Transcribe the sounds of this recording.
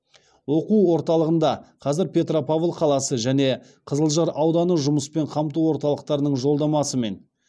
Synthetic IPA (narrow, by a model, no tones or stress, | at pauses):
wo̞quwwo̞ɾt̪ɑlˠəʁənd̪ɑqʰɑzɪɾpʲe̞t̪ropavlˠqʰɑlˠɑsəʒæne̞ | qʰəzəlˠʒɑɾɑwd̪ɑnəʒʊməspe̞ɴqʰɑmt̪uwo̞ɾt̪ɑlˠəq̚t̪ɑɾənəɴʒo̞lˠd̪ɑmɑsəme̞n